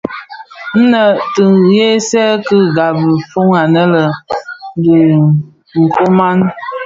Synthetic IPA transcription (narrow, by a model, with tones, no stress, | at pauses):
n̩˦nə˨tɨ˨ŋje˦sɛ˦kə˦ɡa˨bə˨fo˦ŋa˨nə˦lə˨ | di˨ | ŋ̩˨ko˦ma˦n